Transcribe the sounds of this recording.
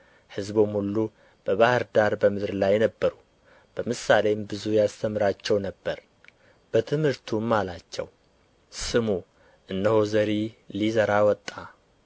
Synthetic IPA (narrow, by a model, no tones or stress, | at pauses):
hɨzbomhulːu | b̥əβahɨɾd̪aɾbəmɨd̪ɾlajnəbːəɾu | b̥əmɨsalembɨzujast̪ʰəmɨɾat͡ʃːɛwnəbːəɾ | b̥ət̪ʰɨmhɨɾt̪ʰumːalat͡ʃːɛ̰w | sɨmu | ʔɨnːəhozəɾilizəɾawɔt̪ʼːa